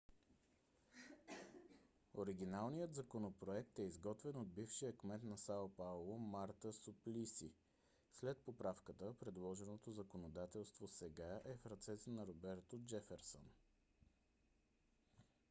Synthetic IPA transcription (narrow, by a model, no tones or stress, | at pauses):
oɾiɡ̟inalˠnijət̪zɐkonopɾoɛkt̪ɛizɡɔt̪vɛnod̪̚bifʃijəkmɛt̪nɐsapalˠomaɾt̪əsuplisi | slɛt̪̚popɾafkət̪əpɾɛd̪lˠɔʒɛnot̪ozəkonod̪at̪ɛlˠst̪vosɛɡaʔɛfɾɐt̪sɛt̪ənɐɾobɛɾt̪od͡ʒɛfɛɾsə̰n